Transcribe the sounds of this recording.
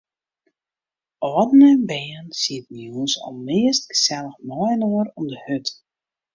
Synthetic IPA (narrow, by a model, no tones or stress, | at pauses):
ʔɔːdənəbɛːənsiət̚njusɔ̰lˠmɪəstɡə̥sɛlˠəxmɔjnoəɾɔmdəhøt